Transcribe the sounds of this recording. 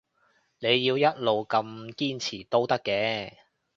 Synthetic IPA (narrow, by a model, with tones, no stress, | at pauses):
ne˨˧jːiː˧wjɐ˥t̚lo˨wkɐ˧mkiː˥nt͡sʰiː˨˩t̪o˥wt̪ɐ˥kːɛː˧˥